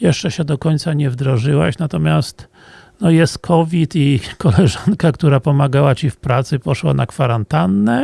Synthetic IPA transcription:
jɛʂt͡ʂɛɕɛd̪ɔkɔɲt̪saɲɛvd̪ɾɔʐɘwa̰ɕnat̪ɔmʲjast̪ | nɔjɛst̪kʰɔvʲit̪ikɔlɛʐankakt̪uɾapɔmaɡawat͡ɕifpɾat̪sɘpɔʂwa̰nʔa̰kfaɾant̪anːɛ

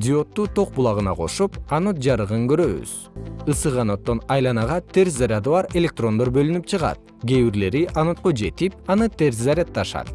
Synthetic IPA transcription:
d̪ʲio̞t̪ːuːt̪o̞q̚bulˠɑʁɯnɑqʰo̞̰ʃupɑno̞t̪̚d͡ʒɑɾɯʁɯŋɡøɾø̞βy̰z̥ | ɯsɯʁɑno̞t̪ːo̞nɑjlˠɑnɑʁɑt̪ʰe̞ɾszaɾʲad̪ɯβɑɾe̞lʲe̞k̚t̪ro̞nd̪o̞ɾbø̞lynyp̚t͡ʃʰɯʁɑ̰t̪̚ | ɡʲe̞βiɾle̞ɾiʔɑno̞t̪̚qod͡ʒe̞t̪ip̚ɑnɯt̪e̞ɾzzaɾʲat̪ːɑʃɑ̰t̪̚

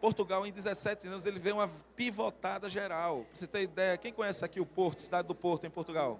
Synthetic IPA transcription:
poɾt̪uɡawẽj̃d̪izɛsɛt̪ɪɐ̃nʊzelɪvejũmɐpivot̪ad̪ɐʒeɾawvoset̪ẽj̃id̪ɛjɐkẽj̃kõɲɛsɪakiʊpoɾt̪ʊ̥sid̪ad̪ɪd̪ʊpoɾt̪ʊẽj̃poɾt̪uɡaw

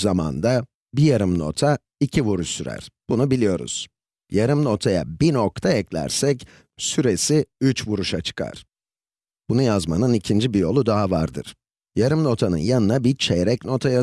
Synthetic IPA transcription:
zama̰nd̪a | bijaɾɯmno̞t̪ʰa | icʰivuɾuʃsyɾæ̰ɾ̥b̥unubilʲijo̞ɾṵz̥ | jaɾɯmno̞t̪ʰaja̰binokt̪ʰaɛclʲæ̰ɾsɛc | syɾesiyt͡ʃvuɾuʃat͡ʃʰɯ̥kʰa̰ɾ̥ | b̥unujazma̰nɯnicʰind͡ʒibijo̞lˠud̪aɦava̰ɾd̪ɯ̰ɾ̥ | jaɾɯmno̞t̪ʰanɯ̰njanɯnabit͡ʃʰɛjɾɛcno̞t̪ʰaja

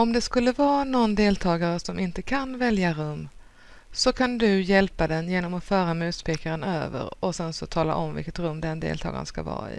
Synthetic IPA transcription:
ɔmd̪ɛskɵlːəvɑːnɔnd̪eːlt̪ʰɑːɡaɾəsɔmɪnt̪əkʰanvɛljaɾɵmː | sɔkʰand̪ɵjɛlpad̪ɛnjeːnɔmɔfœːɾamʉ̟ːt̪pʰeːkaɾənø̰ːvə̰ɾɔsɛnsɔt̪ʰɑːla̰ʔɔmvɪ̰lkət̪ɾɵmːd̪ɛnd̪ḛːlt̪ʰɑ̰ːɡa̰nska̰vɑ̰ːɪ̰

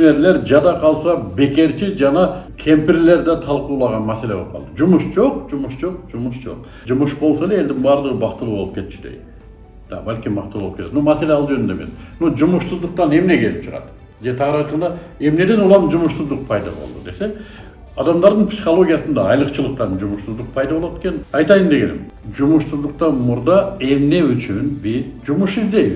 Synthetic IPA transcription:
ne̞ɾle̞ɾd͡ʒɑd̪ɑqʰɑlˠsɑbe̞ke̞ɾt͡ʃid͡ʒɑnɑkʲʰe̞mpɪɾle̞ɾd̪ɑt̪ʰɑlˠquːlˠɑʁɑnmæse̞le̞bop̚qɑlˠd̪əd͡ʒumuʃd͡ʒo̞qd͡ʒumuʃd͡ʒo̞q̚d͡ʒumʊʃd͡ʒo̞̰q̚ | d͡ʒumuʃbo̞lˠsɑlee̞ld̪ɪŋbɑɾd̪əʁəbɑqt̪ɯlˠuːbo̞lˠup̚kʰʲe̞t̪t͡ʃi̥d̪ej | d̪̥ɑ̰bælʲkʲimbɑq̚t̪lˠuolˠpkeet̪mnomæse̞leɑlˠd͡ʒø̞nynd̪ḛmḛsnod͡ʒumʊʃsuzd̪əq̚t̪ɑne̞mne̞kʲʰe̞lɪpt͡ʃʰəʁɑ̰d̪ | d͡ʒe̞t̪ʰɑʁəɾɑjt̪qɑnd̪ɑ | e̞mne̞d̪e̞nulˠɑmd͡ʒumʊʃsuzd̪əq̚pʰɑjd̪ɑ̰bo̰lˠd̪ṵd̪e̞se̞ | ɑd̪ɑmd̪ɑɾd̪əɴpsi̥χolˠo̞ɡʲijasənd̪ɑɑjlˠəqt͡ʃʰɯlˠəq̚t̪ɑnd͡ʒumʊʃsuzd̪əq̚pʰɑjd̪ɑbo̞lˠot̪ʰekenɑjt̪ɑjənd̪e̞ɡʲe̞nɪ̰m | d͡ʒumʊʃsuzd̪əq̚t̪ɑnmuɾd̪ɑe̞mne̞yt͡ʃynbizd͡ʒumuʃizd̪e̞j

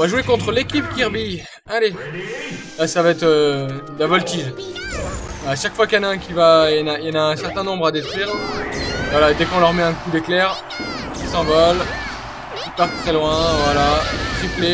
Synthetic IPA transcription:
ɔ̃vaʒuekɔ̃t̪χəlekʲipkʲiʁbi | ale | lasavaɛt̪χød̪lavɔlt̪iʒ | aaːʃakfwakjɑ̃naɛ̃kʲivajɑnajɑnaɛ̃sɛʁt̪ɛ̃nɔ̃bʁad̪et̪χwiʁ | vwalad̪ɛkɔ̃lœʁmɛɛ̃kud̪eklɛʁ | kisɑ̃vɔl | kipaʁt̪ːχɛlwɛ̃vwalat̪χiple

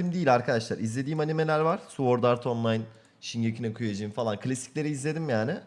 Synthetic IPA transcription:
imd̪ijilʲaɾkʰad̪aʃlˠaɾizlʲe̞d̪iːmanime̞lʲæɾvaɾ̥suoɾd̪aɾt̪ʰo̞nlˠajn | ʃinɟacʰinɛkʰujad͡ʒɯːmfalˠankʰlʲasi̥clʲe̞ɾiːzlʲe̞d̪imjaːnɪ

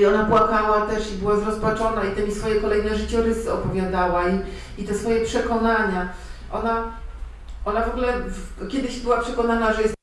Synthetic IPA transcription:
iɔnapwakawat̪ɛʂibɘwazɾɔspat͡ʂɔnait̪ɛmʲisfɔjɛkɔlɛjnɛʐɘt͡ɕɛɾɘsɘɔpɔvʲjad̪awai | it̪ɛsfɔjɛpʂɛkɔnaɲa | ʔɔna | ʔɔnavɔɡulɛvkʲɛd̪ɘɕbɘwapʂɛkɔnanaʐɛjɛst̪

